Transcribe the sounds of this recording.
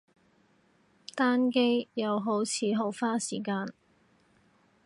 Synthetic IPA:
t̪aː˥nke˥jjɐ˨˧wɦo˨˥wt͡sʰiː˨˧ɦo˨˧wfaː˥siː˨˩kaː˧n

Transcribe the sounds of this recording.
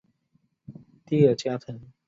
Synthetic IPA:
t̪i˥ə˥˨˩t͡ɕja˦˥t̪ʰə˨˦n

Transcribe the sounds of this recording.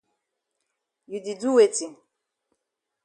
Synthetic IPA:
ju˨di˨du˦we˦˨ti˨

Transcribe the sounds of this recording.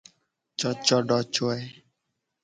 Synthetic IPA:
t͡ʃɔ˧t͡ʃɔ˧ɖɔ˨t͡ʃo˦ɛ˦

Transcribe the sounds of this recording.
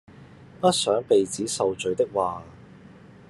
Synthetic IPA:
pɐ˥t̚sœː˨˥ŋpe˨jt͡siː˨˥sɐ˨wt͡ʃɵ˨˧ɥt̪ɪ˥k̚waː˨

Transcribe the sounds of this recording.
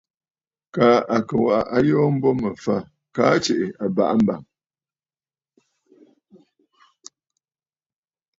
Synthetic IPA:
kaː˨˦ʔa˨kə˨wa˨ʔa˨ʔa˦jɔː˦m̩˦bɔ˦mə˨fa˦˨ | kaː˦t͡ʃe˨ʔɪ˨a˨ba̰˨ʔa˦m̩˦ba̰˨ŋ

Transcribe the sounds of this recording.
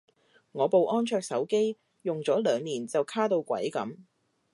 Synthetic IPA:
ŋɔː˨˧po˨wʔɔː˥nt͡ʃʰœː˧k̚sɐ˨˥wke˥j | jʊ˨ŋt͡sɔː˨˥lœː˨˧ŋniː˨˩nt͡sɐ˨wkʰaː˥t̪o˧wkʷɐ̰˨˥jkɐ̰˨˥m

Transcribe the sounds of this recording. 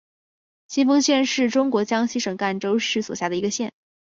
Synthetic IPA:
ɕi˥nfɤ˥ŋɕjɛ˥˧nʂɻ̩˥˩ʈ͡ʂʊ˥ŋkwɔ˧˥t͡ɕjɑ˥ŋɕi˥ʂɤ˨˩ŋka˥˩nʈ͡ʂo˥ʊʂɻ̩˥˩swɔ̰˨˩ɕja˥˩d̪ə˩i˧˥ɡə˧ɕjɛ˥˩n

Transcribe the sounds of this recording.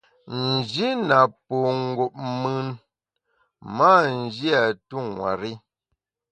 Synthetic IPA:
n̩˨d͡ʒi˦na˨po˨ŋ̩˦ɡo˨p̚mɯ˦n | ma˦˨n̩˨d͡ʒi˦a˨tu˦˨ŋwa̰˨ɾi˦

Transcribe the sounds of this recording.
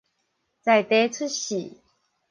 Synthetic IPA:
t͡sa˨˩jt̪e˨˦t͡sʰu˦˥t̚ɕi˨˩

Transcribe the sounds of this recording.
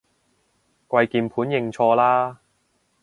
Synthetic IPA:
kʷɐ˧jkiː˧mpʰuː˨˥njɪ˧ŋt͡ʃʰɔː˧laː˥

